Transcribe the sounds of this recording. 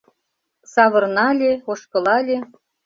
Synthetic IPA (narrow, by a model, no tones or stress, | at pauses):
sɑβɤ̆rnɑlʲeoʃkɤ̆lɑlʲe